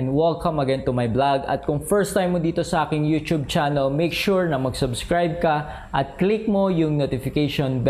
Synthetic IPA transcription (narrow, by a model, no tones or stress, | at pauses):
nwɛlkʰɐ̃mɐɡɛnt̪ʊmɐjblaɡɐ̰t̪̚kʊŋfɛɹst̪ajmːod̪iːt̪osɐʔaːkɪŋjut̪ub̚t͡ʃanɐlmejkʃuɹnɐmɐɡsʊbskɹajb̚kɐ | ʔɐt̪̚klik̚mo̞jʊŋnot̪ɪfɪkejʃonb